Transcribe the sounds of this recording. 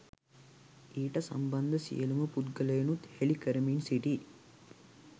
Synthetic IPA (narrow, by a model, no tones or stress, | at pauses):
iːʈəsɐ̰mbɐnd̪əsḭjəluməput̪ɡələjenut̪helikəɾəminsiʈi